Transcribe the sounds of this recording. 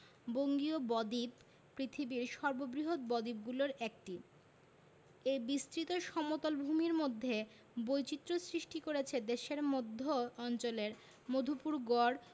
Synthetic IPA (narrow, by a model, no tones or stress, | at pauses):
boŋɡiobɔd̪ipː | ɾit̪ʰibiɾʃɔɾbobɾiɦot̪̚bɔd̪ip̚ɡuloɾɛk̚ʈi | ebist̪ɾit̪oʃɔmot̪olbʱumiɾmod̪ʱːe | bojt͡ɕit̪ːɾosɾiʃʈikoɾet͡ɕʰed̪eʃeɾmod̪ʱːoɔnt͡ɕoleɾ | mod̪ʱupuɾɡɔɾ